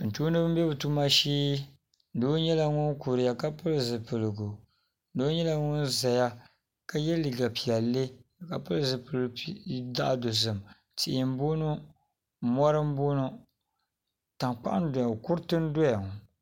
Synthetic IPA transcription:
n̩˨tu˦nɨ˦bɨ˦mbɛ˦bɨ˨tu˦ma˦ʃiː˦ | n̩˨doː˦ɲɛ˦la˦ŋʊ˦nku˨ɾɪ˨ja˨ka˦pɨ˦lzɨ˨pɨ˨lɨ˨ɡu˨ | n̩˦do˦ɲɛ˦la˦ŋʊ˦nza˨ja˦ | ka˦jɛ˦li˨ɡa˨pi˨a˨lːe˦˨ka˨pɨ˦lzɨ˨pɨ˨lda̰˦ʔdo˨zɨ˨m | ti˨ʔɪ˨m˦bo˦nu˦˨ | mɔ˦ɾɨ˦m˦boː˦nʊ˦ | ta˨ŋk͡pa̰˦ʔa˦n˦dɔ˨ja˨kʊ˦ɾtɨ˦n˦do˦ja˨ŋ˨

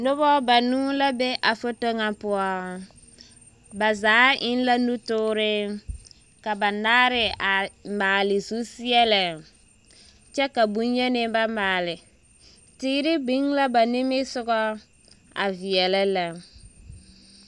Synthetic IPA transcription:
nʊ˦βɔ˦ba˨nuː˦la˦be˦ʔa˨fo˦to˦ŋa˨pʊ˦ɔ˦ | ba˨zaː˨˦ʔɪ˦nla˦nu˦tʊː˦ɾɪ˦ | ka˨ba˨naː˦ɾɪ˨a˨maː˨lɪ˨zu˦si˦ɛ˦la˨ | t͡ʃɛ˦ka˨bu˦ɲ˦ɲɛ˦nɪ˦ba˦maː˨lɪ˨ | tiː˦ɾɪ˦bɪ˦ŋla˦ba˨nɪ˦mɪ˦sʊ˦ɡɔ˦ | a̰˨vi˨ɛ˨la˦la˨

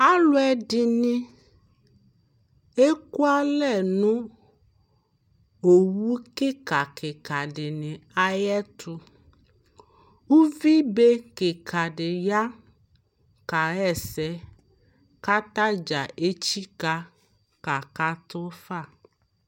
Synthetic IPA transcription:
a˦lʊ˦ɛ˨ɖɪ˨nĩ˦ | e˦ku˦a˦lɛ˨nũ˦ | o˨wu˦kɪ˦ka˨kɪ˨ka˨ɖɪ˨nɪ̃˨a˦jɛ˦t̪ʰu˦ | wu˦vi˦be˦kɪ˨kʰa˨ɖɪ˨ja˦ | ka˨ɛ˨sɛ˨ | ka˦t̪a˦d͡ʒa˨ʔe˦t͡ʃi˦ka˦ | ka˨ka˦t̪ɔ˦fa˦˨

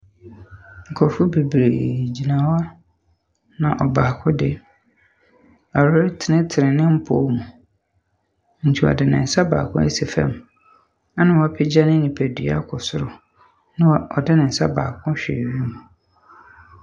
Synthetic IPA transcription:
ŋ̩˨kʰɔ˨fʊ˦bi˨bɾe˨d͡ʑi˨nã˨wa˦ | nã˨ʔɔ˨baː˨kʰʊ̃˦dɪ˦ | a˨ɾɾɪ˦tʰɪ˨nɪ̃˦tʰɪ˨ɾɪ̃˨nɪ̃˦m̩˦pʰo˦mũ˨ | ɲ̩˨t͡ɕʰi˦wɔ̰˨dɪ˨nɪ̰̃˨n̩˨sa˦ba̰ː˨kʰʊ̰̃˦ḛ˦se˨fɛ̰̃˦m | a˦nɪ̃˨wɔ˦pʰɪ˦d͡ʑa˦nɪ̃˦nĩ˨pʰæ˨dɥa̰˦kʰʊ˨sʊ˦ɾʊ˨ | nɪ̃˦wɔ̰˨dɪ˦nɪ̃˨n̩˨sa̰˦ba̰ː˨kʰʊ̃˦ɕᶣḛ˨ɥi˦mũ˨

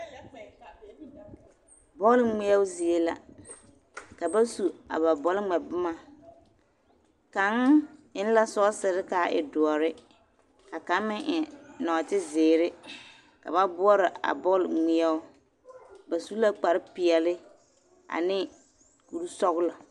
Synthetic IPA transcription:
bɔ˦lŋ͡mi˦ɛ˦ʊ˦zi˨e˦la̰˦ | ka˨ba˦su˨a̰˨ba˨bɔ˨lɪ˦ŋ͡mɛ˨bʊ˦ma˨ | ka˨˦ŋɪ˦n˦la˦sɔ˦ɔ˦sɪ˨ɾɪ˦ka˨ɪ̰˨dʊ˨ɔ˨ɾɪ˦ | ka˨ka˨˦mɪ˦ŋʔɪ˨nɔ˨tɪ˦zɪː˨ɾɪ˦ | ka̰˨ba˦bʊ˦ɔ˦ɾɪ˨ʔa̰˨bɔ˦lŋ͡mɪ˦ɛ˦ʊ˦ | ba˨su˦la˦k͡pa˨ɾɪ˦pɪ˨ɛ˨lɪ˦ | a̰˨nɪ˦ | ku˨ɾu˦sɔ˦ɣʊ˦lɔ˨

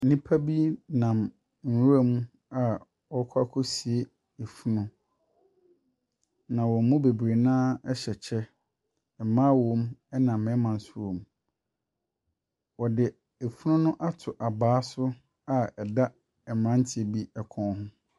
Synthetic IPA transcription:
n̩˦nĩ˦pʰa˦bi˦nã˨m | n̩˨ɾu˦a˦mũ˦ | a˨ | wɔ˦kʰɔ˦a˦kʰɔ˦si˨e˦ | e˨fu˦nʊ̃˦ | nã˨wɔ˨mũ˦be˨bɾe˨nãː˦ɛ˦ɕɛ˨t͡ɕʰɛ˦ | ɛ˨mã˦wɔ̃˦mɛ˦nã˨mɛ˦mã˨n˨sʊ˦ɾo˨m˨ | wɔ˨dɪ˨ | e˨fu˦nʊ̃˦nʊ̃˦ʔa˦tʰʊ˨ʔa˨baː˨˦sʊ˦ | a˨ɛ˨da˦ | ɛ˨mã˦n̩˦tʰɪ˦˨e˨bi˦ɛ˨kʰɔ̃˨˦hʊ̃˦

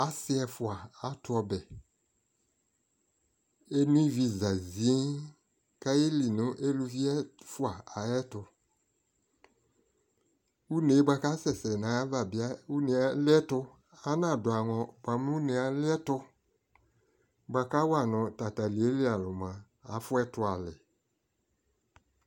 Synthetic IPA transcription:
a˦sɪ˦ɛ˧fʊ˨a˨a˨˦tʊ˦ɔ˧bɛ˨ | e˦nĩ˦vi˧za˨zi˨˦ | ka˦je˦li˨nʊ̃˦ʔe˦lu˧vi˦ɛ˦fʊ˦a˨a˨jɛ˦tʊ˧ | u˦ne˨˦ba˧ka˦sɛ˨sɛ˨nã˨a˦va˨bɪ˨˦a˦u˦ne˨a˨lɪ˦ɛ˦tʊ˧ | a˨˦nã˨dʊ˨a˨ŋɔ̃˨ba˨˦m˦u˦ne˨a˨˦lɪ˦ɛ˦tʊ˧ | ba˨ka˦wa˨nɔ̃˨ta˨ta˨li˨e˦lɪ˦a˨lʊ˨mã˨ | a˨˦fʊ˦ɛ˦tʊ˦a˨lɪ˨

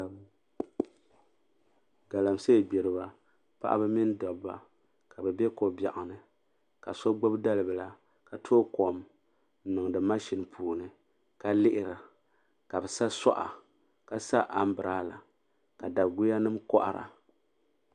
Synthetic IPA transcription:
ɡa˨la˨mse˦˨bɛ˨ɾɨ˨ba˦ | pa̰˦ʔa̰˦bɨ˦mi˦n˦dɔ˨bːa̰˨ | ka˨bɛ˨bɛ˦ko˨ba˨ʔa˨nɨ˨ | ka˨so˦ɡ͡bo˦bda˦lɨ˨bɨ˨la˨ | ka˨tʰoː˦ko˨m˦ | nɨ˨ŋdɨ˨ma˦ʃi˨npʰuː˨nɨ˨ | ka˦lɪ˦ʔɪ˨ɾa˨ | ka˨bɛ˨sa˦sa̰˦ʔa̰˨ | ka˨sa˦ʔa˦m˦bɨ˨ɾaː˦la˨ | ka˨da˨ɡu˦ja˦nɨ˦mkɔ˦ʔa̰˦ɾa̰˨

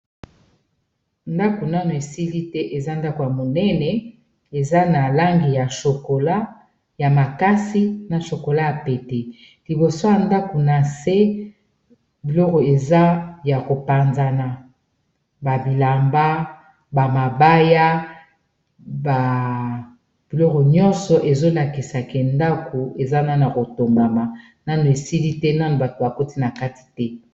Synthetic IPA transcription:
nda˦ko˨na˦no˨e˨si˦li˦tɛ˦ʔe˨za˦nda˦ko˨ja˨mo˨nɛ˦nɛ˨ | e˨za˦na˨la˦ŋɡi˨ja˨ʃo˨ko˨la˦ | ja˨ma˨ka˦si˦na˨ʃo˨ko˨la˦ja˨pɛ˨tɛ˨ | li˨bo˨so˦ja˨nda˦ko˨na˨se˦ | bi˨lɔ˦kɔ˨e˨za˦ja˨ko˨pa˨nza˦na˨ | ba˨bi˨la˨mba˦ | ba˨ma˨ba˦ja˦ | ba˨ | b̥i˨lɔ˦kɔ˨ɲɔ̃˦nsɔ˨ʔe˨zo˦la˨ki˨sa˨kɛ˨nda˦ko˨e˨za˦na˦n˨a˨ko˨to˨mba˨ma˨ | na˦no˨e˨si˦li˦tɛ˦na˦no˨ba˨to˨ba˨ko˦ti˦na˨ka˦ti̥˨tɛ˦

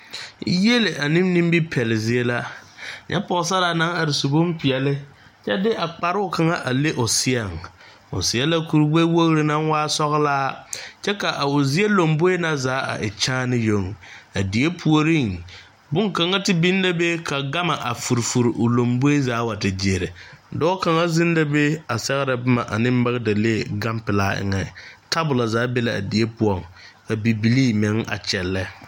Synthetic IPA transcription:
je˦le˨ʔa˨nɪ˦mni˦m˦bi˦pʰɛ˨lɪ˨zɪ˦e˦la˦ɲʔɛ̰˦pɔ˨s̬a˦la˨na˦ŋa˨ɾɪ˨su˨bʊ˦m˦pɪ˨ɛ˨lɪ˦ | t͡ʃɛ˦dɪ˦ʔa˨k͡pa˨ɾɪ˦ʊ˦˨ka˨ŋa˦ʔa˨le˦ʔʊ˨sɪ˦a˨ŋ | ʊ̰˨sɪ˨ɛ˦la˦ku˨ɾɡ͡be˦wo˦ɣɾɪ˨na˦ŋwaː˦sɔ˦ɣlaː˦t͡ʃɛ˦ka˨ʔa˨ʊ˨zɪ˦e˦lo˨mbo˦e˦na˦zaː˨˦a̰˨ʔɪ˨t͡ʃaː˦nɪ˦jo˦ŋa˨di˨e˦pʰu˦o˨ɾi˦˨ŋ | bʊ˦ŋka˨ŋa˦tɪ˦bi˦n˦da˦be˦ka˨ɡa˦ma˨ʔa˨fu˨ɾfu˨ɾʔʊ˨lo˨mbʊ˦e˦zaː˨˦wa˨tɪ˨d͡ʒe˨ɾɪ˨dɔː˦ka˨ŋa˦zɪ˦nda˦be˦a˨sɛ˦ɣɾa˨bʊ˦ma˨ʔa̰˨nɪ˦m˦ba˦ɣda˨le˦˨ɡa˦mpɪ˨la˦ɪ̰˦ŋɛ˨tʰa˦bʊ˨la˨zaː˨˦be˦la˨a̰˨di˨˦e˦pʊ˦ɔ˨ŋka˨bi˨bi˨liː˦mɪ˨˦ŋa̰˨t͡ʃɛ˨lːɛ˦

